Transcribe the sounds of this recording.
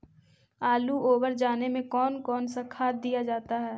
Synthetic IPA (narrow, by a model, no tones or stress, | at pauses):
aːluoːbəɾd͡ʒaːnemẽkɔːnkɔːnsakʰaːt̪̚d̪ijad͡ʒaːt̪aɦɛː